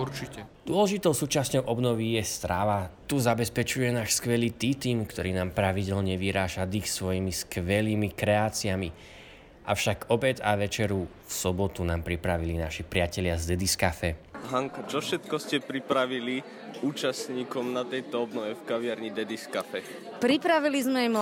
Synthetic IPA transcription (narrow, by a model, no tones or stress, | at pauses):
uɾt͡ʃicɛd̪ʊɔlɛʒit̪ɔʊsuːt͡ʃasɲɔʊʔɔbnɔʋijɛst̪ɾaʋat̪uzabɛspɛt͡ʃujɛnaːʃskʋɛliːt̪iːt̪iːmkt̪ɔɾiːnaːmpɾaʋiɟɛlɲɛʋiɦɾaːʒad̪ixsʋɔjimiskʋɛliːmikɾɛaːt͡siami | ʔa̰fʃaɡɔbɛd͡zaʋɛt͡ʃɛɾu | fsɔbɔt̪unaːmpɾipɾaʋilinaʃipɾɪacɛlɪazd̪ɛd̪iskafɛɦaŋkat͡ʃɔfʃɛt̪kɔscɛpɾipɾaʋili | uːt͡ʃasɲiːkɔmnat̪ɛjt̪ɔɔbnɔʋɛfkaʋɪaɾɲid̪ɛd̪iskafɛ | pɾipɾaʋilizmɛm